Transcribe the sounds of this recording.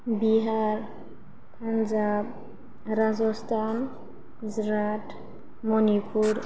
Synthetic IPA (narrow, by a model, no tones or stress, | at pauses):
biɦaɾ | pʰanzab̚ | ɾazɔstʰan | zɾatʰ | mɔnipʰuɾ